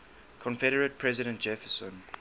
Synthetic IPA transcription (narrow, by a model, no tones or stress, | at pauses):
kʰɔ̃nfɛɾəɹət̚pʰɹɛzɪɾə̃nt̚d͡ʒɛfəsə̃n